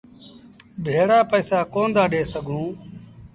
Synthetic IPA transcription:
bʱeːɽaːpəːsaːkoːnd̪aːɗeːsəɡʱũː

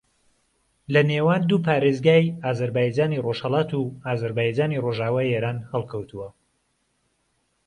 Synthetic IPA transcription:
lɐneːwaːnd̪uːpʰaːɾeːzɡaːjaːzɐɾbaːjd͡ʒaːniroʃhɐlaːt̪uaːzɐɾbaːjd͡ʒaːniroʒaːwaːjeːɾaːnhɛlˠkʰɐwt̪ʰuwɐ

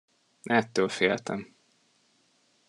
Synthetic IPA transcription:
ɛt̪ːøːlfeːlt̪ɛ̰m

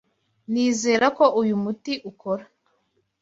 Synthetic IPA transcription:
niːze̞ːɾako̞ʔujumutiʔuko̞ɾa

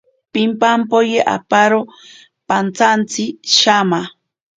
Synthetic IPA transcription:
pimpampojeʔa̰paɾo | pant͡sant͡siʃama

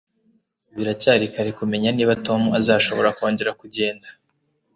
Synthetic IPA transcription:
βiɾacaːɾikaɾikume̞ɲaniːβato̞muazaːʃo̞βo̞ɾako̞ːɲɟe̞ɾakuɟe̞ːndḁ

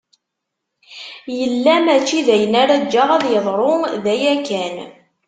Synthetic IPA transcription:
jəlːæmæt͡ʃːiðæjənaɾad͡ʒːaʁæðjəðˤɾˤoðæjækæn

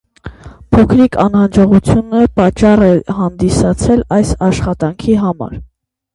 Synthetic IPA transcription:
pʰɔkʰɾikʰɑnhɑnd͡ʒɔʁut͡sʰjunəpɑt͡ʃːɑrɛhɑnd̪isɑt͡sʰɛlɑjsɑʃχɑt̪ɑŋkʰiɦɑmɑ̰ɾ

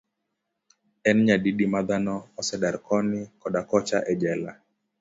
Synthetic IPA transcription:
ɛnɲadidimad̪anɔːsɛdaɾkʰɔnɪkɔdakɔt͡ʃaʔɛd͡ʒɛla̰

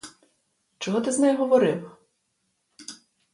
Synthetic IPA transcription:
t͡ʃɔɦɔt̪ɪznɛjɦɔʋɔɾɪw

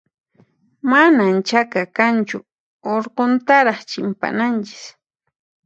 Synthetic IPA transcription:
manant͡ʃakakant͡ʃʊ̰ | oɾqont̪aɾɑχt͡ʃɪmpa̰nant͡ʃɪ̥s

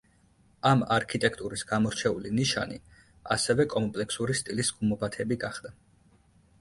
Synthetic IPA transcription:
amaɾkʰit̪ʼɛkʰt̪ʼuɾisɡ̥amɔɾt͡ʃʰɛuliniʃa̰ni | asɛvɛkʼɔmpʼlɛkʰsuɾist̪ʼilisɡ̥umɔbat̪ʰɛbiɡaχd̪̥a

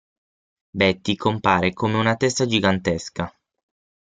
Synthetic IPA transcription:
bɛt̪ːikʰompaːɾekomeunat̪ɛst̪ad͡ʒiɡant̪eska

